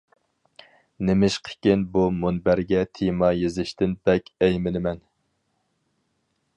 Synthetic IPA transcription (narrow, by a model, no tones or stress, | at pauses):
nɪmɪʃqʰe̥kʲɪnbumunbæɾɡʲɛt̪ʰijmɑjezɪʃt̪ɪnbɛkʲɛjmɪnɪmɛn